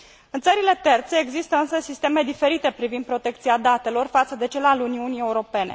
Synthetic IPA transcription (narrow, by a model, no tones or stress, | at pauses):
ɨnt̪səɾile̞t̪e̞rt̪se̞ːɡzist̪əɨnsəsist̪e̞me̞d̪ife̞ɾit̪e̞pɾivind̪pɾo̞t̪e̞k̚t̪siad̪at̪e̞lo̞rfat̪səd̪e̞t͡ʃelaluniunie̞uɾo̞pe̞ne̞̰